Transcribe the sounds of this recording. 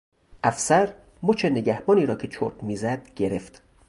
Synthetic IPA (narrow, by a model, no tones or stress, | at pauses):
ʔæfsæɾ | mot͡ʃʰeneɟæhbɒːniːɾɒːcʰe̞t͡ʃʰoɾkmiːzæd̪̥ɟe̞ɾe̞ft̪